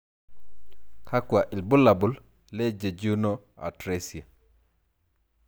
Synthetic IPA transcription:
ka˦ku˨a˨ʔi˨lbu˦lːa˨bu˨l | le˦d͡ʒe˨d͡ʒu˦no˦ | a̰˨tɾesi˨a˨

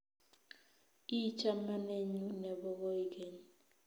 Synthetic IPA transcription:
i˦t͡ʃʰa˦ma˦ne˦ɲu˦nɛ˨bɔ˦kɔ˦i˦ke˦˨ɲ

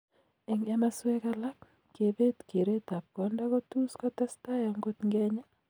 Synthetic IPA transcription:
e˨ŋɛ˦ma˦swɛ˦ka˦la˦kː | e˨be˦t̪ke˨ɾe˦t̪a˨p̚kɔ˨nda˦kɔ˦tu˦skɔ˦t̪a˦sta˦ja˨ŋɡo˦t̪ŋɡɛ˦ɲa˦

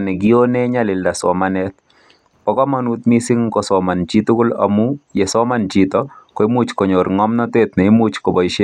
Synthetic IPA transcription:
nɛ˨ɡionɛ˦ɲa˦lɪ˨lda˨sɔ̰˨manɛt̪ | pɔkɔ˦ma˦nu˦t̪misɪ˦ŋkɔsɔma˨nt͡ʃi˦t̪u˦kʊ˦la̰mu˦je˨sɔ˦ma˨nd͡ʒit̪ɔkɔ˨i˦mut͡ʃkɔ˨ɲo˨ɾŋɔ˦mnɔ˦t̪et̪ne˨i˦mut͡ʃkɔ˨bɔ˨ʃe˦

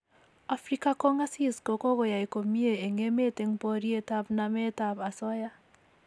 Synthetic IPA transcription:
a˨fɾi˦ka˦kɔ˦ŋa˦si˦sko˨ko˦ɣɔ˨ja˨i˨ko˨mi˦e˨e˨ŋe˦me˦te˦ŋpɔ˦ɾi˦e˦ta˦bna˨me˦ta˨pa˨sɔ˦ja˦

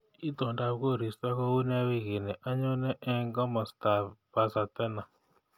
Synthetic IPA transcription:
i˦tɔ˨nda˨βko˦˨ɾi˨sta˦kɔ˦u˦n˦a˦wɪ˦ɣɪ˨nɛ˨ʔa˦ɲo˦nɛ˦ʔɛ˦ŋɡa˦mɔ˨sta˨ba˨sa˨t̪ɛ˦na˨

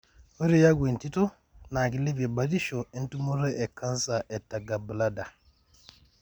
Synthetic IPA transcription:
wo˦ɾi˦ja˦ɡwe˨nti˦tɔ˦ | na˨ki˨li˦vɛ˨ba˨˦ti˦ʃo˨i˦ntu˦mu˦ɾɛ˦ʔɛ˨ka˦nsa˨ʔɛ˨tːa˨ɡa˨bə˨la˦da˨

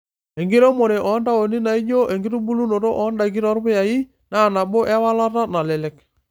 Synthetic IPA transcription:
e˨ŋɡi˦ɾo˦mo˨ɾe˨ʔɔ˨˦nda˦o˨ni˦na˨i˦d͡ʒo˦ʔe˨ŋɡi˦ɾu˦bu˦lu˦no˨to˦ʔɔ˦nda˦˨k̬i˦ɾɔ˦ɾpe˦ja˨i˦ | na˦˨na˨bo˦ʔɛ˦wa˦la˦ta˦na˨lɛ˨lɛ˨˦k

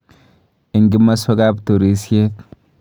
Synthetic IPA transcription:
ɪ˨ŋɡɪ˦mːɐ˦swɐ˦ɡaː˦bt̪u˨ɾiː˨˦sje˦t̪

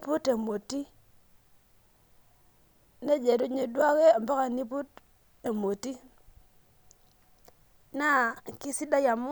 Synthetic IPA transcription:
pu˦te˨mo˨ti˦ | ne˦d͡ʒe˨ɾu˦ɲe˨dwa˦ke˦a˨mba˦ka˨ni˦pu˦t | e˨mo˨ti˦ | na˦ki˦si˦da˦ja˨m˦

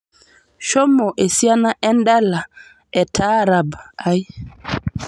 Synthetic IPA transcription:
ʃɔ˦mɔ˨ʔe˨si˦a˦na˦ʔɛ˦ndɛ˦la˨ | ɛ˨tʰaː˦ɾa˨ba˦j

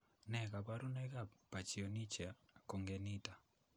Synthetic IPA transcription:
nɛ˨ɣa˨βa˦ɾu˦nɛ˦ɣa˦˨pa˨t͡ʃi˨ɔ˨ni˦t͡ʃa˨kɔ˨ŋɡɛ˨ni˦ta˨

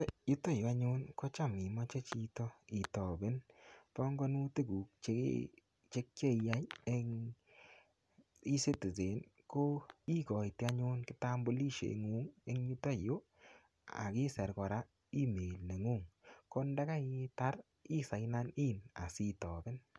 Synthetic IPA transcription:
ju˦ta˦jo˨a˦ɲʊ˦nkɔ˦t͡ʃa˦˨mi˨mɔ˦t͡ʃe˦t͡ʃi˧tɔ˦i˨tɔ˨bɪ˦npɔ˦ŋɡɔ˦nu˦te˦ɡu˨k̚t͡ʃe˦k | t͡ʃe˦k̚t͡ʃe˦˨ja˦je˦ŋ | i˦se˦ti˨s̬e˨˦nko˦i˦kɔ˨jti˧˦a˦ɲʊ˦nkɪ˦ta˦mbo˦li˦ʃḛ˨ŋu˦ŋe˦ŋju˦ta˦˨jo˦ | a̰˨kɪ˦sɛ˨ɾkɔ˨ɾa˦ | i˦me˨lne˨ŋu˦˨ŋko˦nda˦ka˦i˦ta˦ɾ | i˦sa˨jna˦ni˦na̰˨si˦˨tɔ˨bɪ˦n

